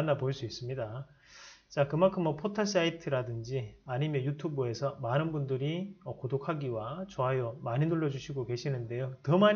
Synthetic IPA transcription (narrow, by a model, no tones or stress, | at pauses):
nːapoɭs͈uis͈ɯmɲida | t͡ɕakɯmaɭkʰɯmːʌpʰotʰas͈aitʰɯɾadɯnd͡ʑiaɲimjʌnjutʰubɯe̞sʰʌmanɯnbundɯɾiʌkodokʰaɡiwat͡ɕoɦajʌmaɲinuɭːʌd͡ʑuɕʰiɡoke̞ɕʰinɯnde̞jotʌma